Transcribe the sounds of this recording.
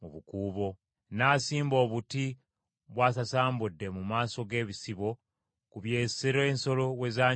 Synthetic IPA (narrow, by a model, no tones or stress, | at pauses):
muβukuːβo̞ | naːsiːmbo̞ːβuti | βwaːsasaːmbudːe̞mumaːso̞ɡe̞ːβisiβo̞ | kuβje̞ːseɾoeːnso̞lo̞we̞zaː